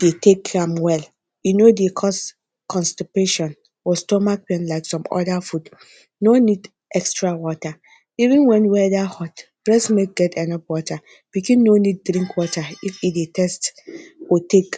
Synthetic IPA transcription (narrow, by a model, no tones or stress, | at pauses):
d̥etekʰãmwɛl | junodekʰɔs | kɔ̃nstipeʃɔ̃n | wɔstomakpɛ̃nlaɪksɔ̃mɔ̰dafud | nonid | ʔɛkstɾawɔta | ivɪ̃nwɛ̃nwɛdahɔtb̥ɾɛsmet̚ɡɛtɛnɔpwɔtʰa | b̥ikĩnnonid̚ːɾĩŋkwɔtʰaifidetʰɛstotʰek